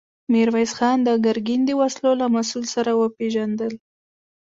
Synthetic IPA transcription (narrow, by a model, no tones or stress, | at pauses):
miɾwajsxɑnd̪əɡaɾɡind̪əwaslolamasulsaɾawəpeʒand̪əl